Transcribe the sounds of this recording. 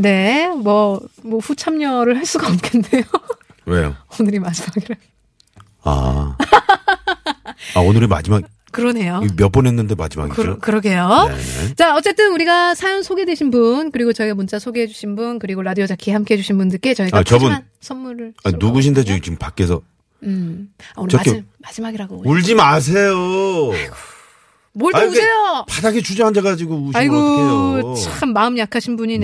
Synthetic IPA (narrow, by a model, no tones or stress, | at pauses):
ne̞mwʌmʌɸut͡ɕʰamɲʌɾɯɭhaɭs͈uɡaʌp̚kʰende̞jo | wejo̰onɯɾimad͡ʑimaɡiɾa | a̰ | aonɯɾima̰d͡ʑimaɡ | kɯɾʌne̞jomjʌp͈onɦenːɯnde̞ma̰d͡ʑima̰ɡiɯɾokɯɾʌɡejo̰t͡ɕaʌt͡ɕ͈e̞t͈ɯnuɾiɡasʰajonsʰoɡe̞dweɕʰinbunkɯɾiɡot͡ɕʌiɡamont͡ɕ͈asʰoɡeɦed͡ʑuɕʰinbunkɯɾiɡoɾadiod͡ʑakʰiehamk͈e̞ɦe̞d͡ʑuɕʰinbundɯɭk͈e̞t͡ɕʌiɡat͡ɕʌbuna | sʰʌnmuɾɯɭainuɡuɕ̬ʰinde̞t͡ɕit͡ɕimpak͈e̞sʰʌ | ɯaʌkmad͡ʑimaɡiɾaɡoooɭd͡ʑimas̬ʰe̞joaiɡo̥ | moɭt͈eoejopadaɡet͡ɕʰud͡ʑaŋɦand͡ʑeɣad͡ʑiɡouɕaiɡoot͡ɕakʰɯmːaɯmjakʰaɕʰinbuɲin